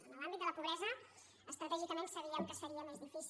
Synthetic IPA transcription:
ənəlambit̪d̪ələpuβɾɛzə | əst̪ɾət̪ɛʒikəmensəβiəmkəsfəɾiəmezðifis

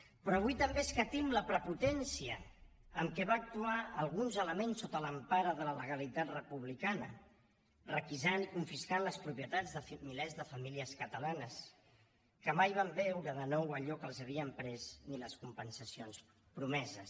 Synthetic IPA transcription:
pɾɔːβ̞ujt̪əmbeskət̪imləpɾəput̪ɛnsiəː | mkɛβaːk̚t̪uaːlˠɣunzələmensːot̪ələmpaɾəðələləɣ̞əlit̪at̪rəpuβ̞likanə | rəkizanikuɱfiskanləspɾupjət̪ad͡zðəmilɛzðəfəmiliəskət̪əlanəs | kəmajβ̞ambɛwɾəðənɔwəʎɔkəlˠzəβ̞iəmpɾɛzniləskumpənsəsions | pɾumɛzəs

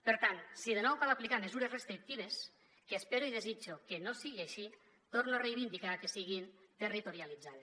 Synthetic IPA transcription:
peɾt̪ansiðenɔwkaðaplikamezuɾezrest̪ɾik̚t̪iβ̞es | keːspeɾoiðezid͡ʒokenosiɣeʃi | t̪oɾnorejβind̪ikakesiɣint̪erit̪oɾialid͡zaðes

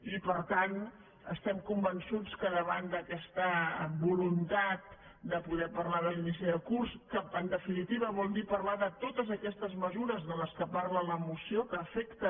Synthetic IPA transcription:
ipəɾt̪an | əst̪ɛmkumbənsut͡skəðəβand̪əkɛst̪əbulunt̪at̪̚ | d̪əpuðɛpərlaðəlinis̬iðəkurskəənd̪əfinit̪iβəβɔlˠd̪ipərlaðət̪ot̪əzəkɛst̪əzməzuɾəzðələskəparlələmusiokəːfɛkt̪ə

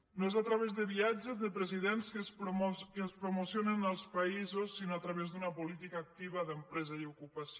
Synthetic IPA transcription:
noezat̪ɾəβezðəβiad͡ʒəzðəpɾəziðenskəspɾomkəspɾumusionənəlˠspɐizosːinoat̪ɾəβezðunəpulit̪ikaːk̚t̪iβəðəmpɾɛzɐiukupɐs

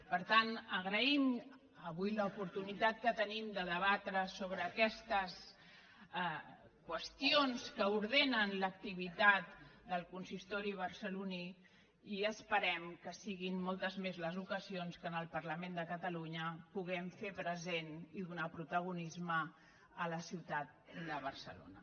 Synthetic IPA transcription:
pəɾt̪anəɣɾəim | əβujləupuɾt̪unit̪at̪̚kət̪ənimd̪əðəβat̪ɾəsoβ̞ɾəːkɛst̪əs | kwəst̪ionskəuɾðenənlək̚t̪iβ̞it̪at̪d̪əlˠkunsist̪ɔɾiβəɾsəluni | iəspəɾɛmkəsiɣinːɔlˠt̪əzmezləzukəzionskənəlˠpəɾləmend̪əkət̪əluɲəpuɣɛmfepɾəzeniðunapɾut̪əɣ̞unizmə | ələsiwt̪at̪̚d̪əβəɾsə̰lo̰nə

